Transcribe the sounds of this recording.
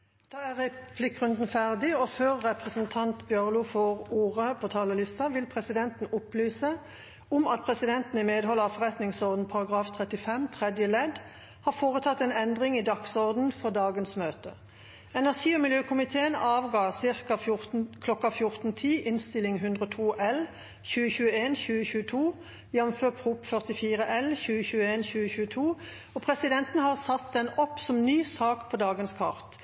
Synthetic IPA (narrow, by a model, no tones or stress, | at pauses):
d̪̥ɑːæʁɛpʰlɪkːʁʉnd̪n̩fæʁd̪ɪɔføːʁːɛpʁəsənt̪ʰɑnt̪bjøʁlʊfɔʁuːʁəpʰoːt̪ʰɑːləlɪst̪ɑʋɪlpʰʁɛsɪd̪ɛnt̪n̩ʊplyːsə | ʊmɑt̪̚pʰʁɛsɪd̪ɛnt̪n̩ɪmeːd̪hɔlːəʁɑfɔʁɛt̪nɪŋsɔʁd̪n̩pʰɑʁɑɡʁɑːft̪ʰʁɛt̪ːɪfɛmt̪ʰʁɛd̪jəlɛd̪ | hɑːfoːʁət̪ʰɑt̪ːɛnɛnd̪ʁɪŋiːd̪ɑksɔʁd̪n̩fɔʁd̪ɑːɡənsmøːt̪ə | ɛnæʁʂiːomɪljøːkʰʊmɪt̪ʰeːənɑːʋɡɑːsɪʁkɑʊkʰlɔkːɑfjʊʁt̪n̩t̪ʰiːʔɪnst̪ɪlɪŋɦʉnd̪ʁoːt̪ʰuːʔɛl | çʉːəçʉːəeːnçʉːəçʉːət̪ʰuː | jɛnmføːʁp̪ʁuːpfœʁt̪ɪfiːʁəʔɛlçʉːəçʉːəeːnçʉːəçʉːət̪ʰuː | ɔːpʰʁɛsɪd̪ɛnt̪n̩əhɑːʁsɑt̪d̪ɛnɔpːsɔmnyːsɑːkpʰɔd̪ɑːɡənskʰɑ̰ʁt̪